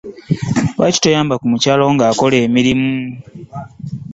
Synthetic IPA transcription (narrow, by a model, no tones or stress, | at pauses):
wa̰ci̥tojaːmbakumucaːlo̞ŋɡaːko̞le̞ːmiɾimu